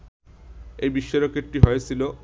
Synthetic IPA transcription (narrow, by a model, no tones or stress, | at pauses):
ejbiʃːeɾokeʈiɦɔjesʰilo